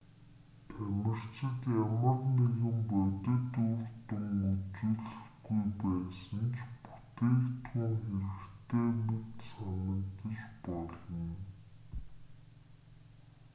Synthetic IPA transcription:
t̪ʰæmʲɪ̆r̥t͡ɕɪ̆t̪jamə̆rneɣɘ̆mpœt̪ɪ̆t̪urt̪ʊŋut͡suːɮɘ̆xɡujpæːsə̆nt͡ɕʰpu̥t̪eːkt̪xuːŋxeɾɘ̆kt̪ʰeːmet̪sanə̆kt̪ə̆t͡ɕpɔɮɞ̆n

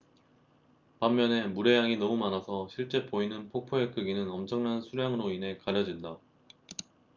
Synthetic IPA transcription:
pamːjʌne̞muɾe̞jaŋinʌmumanasʰʌɕʰiɭt͡ɕ͈e̞poinɯnpʰok̚pʰoekɯɡinɯnʌmt͡ɕʰʌŋnansʰuɾjaŋɯɾoine̞kaɾjʌd͡ʑinda

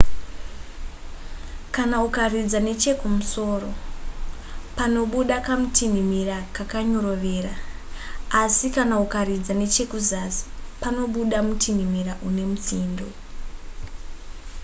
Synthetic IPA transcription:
kanaukarid͡zane̞t͡ʃe̞kumuso̞ːro̞ | pano̞ɓuɗakamutʰinimirakakaɲo̞ɾo̞ʋe̞ːraː | sikanaukaɾid͡zane̞t͡ʃe̞kuzasi̥pano̞ɓuɗamutʰinimiraʔune̞mut͡siːndo

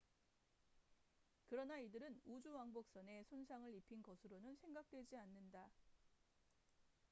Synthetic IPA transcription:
kɯɾʌnaidɯɾɯnud͡ʑuwaŋbok̚s͈ʌne̞sʰonsʰaŋɯɭipʰinɡʌsʰɯɾonɯnsʰe̞ŋɡak̚t͈we̞d͡ʑianːɯnda

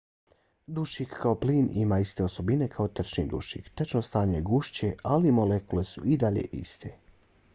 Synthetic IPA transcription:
d̪uʃikkao̞pliːnḭmaist̪e̞oso̞bine̞kʰaot̪r̩t͡ʃnḭd̪ṵʃḭkt̪at͡ʃnost̪aːɲeɡuʃt͡ɕealimo̞lekule̞suid̪aʎe̞̰ʔḭst̪ʰe

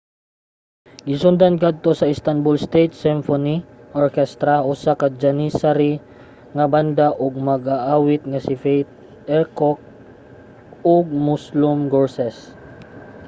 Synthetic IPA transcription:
ɡɪsʊnd̪ankad̪̚t̪o̞sɐɪst̪anbʊlst̪ejt̪̚sɪmfoniʔoɹkɛst̪ɾaʔʊsakad͡ʒɐnisaɾi | ŋɐband̪aʔoɡ̚mɐɡaʔaːwɪt̪̚ŋɐsɪfɛjt̪̚ | ɛɹkok̚ | oɡ̚mʊslʊmɡoɹsɛs

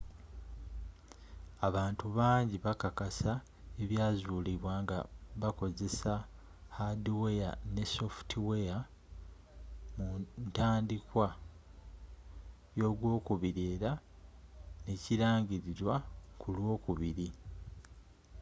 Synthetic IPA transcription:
aβaːntuβaːɲɟiβakakasa | eβjaːzuːliβwaːŋɡa̰βako̞ze̞sa | hadiweja̰ne̞so̞ftiwe̞ja | muntaːndikwa | jo̞ɡwo̞ːkuβiɾeːɾa | ne̞ciɾaːɲɟiɾiɾwakulwo̞ːkuβiɾi

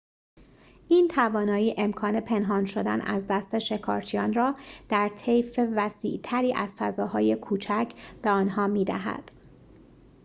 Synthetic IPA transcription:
ʔiːnt̪ʰævɒːnɒːjiːʔe̞mkʰɒːne̞pʰe̞nɦɒːnʃo̞d̪æ̰nʔæ̰zd̪æst̪e̞ʃe̞kʰɒ̰ːɾt͡ʃʰijɒːnrɒːd̪̥æɾt̪ʰe̞jfevæsḭːʔt̪ʰæɾiːʔæz̥fæzɒːhɒːje̞kʰuːt͡ʃʰæcʰb̥e̞ɒːnɦɒːmiːd̪æ̰ɦæ̰d̪̥

